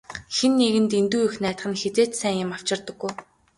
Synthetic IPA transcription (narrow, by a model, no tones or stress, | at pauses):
xenːeɣɘ̆nt̪ent̪uːjɵxnæːt̪χə̆nxet͡seːt̪sæːŋjɪ̆maw̥t͡ɕɪ̆rt̪ə̆ɡːuj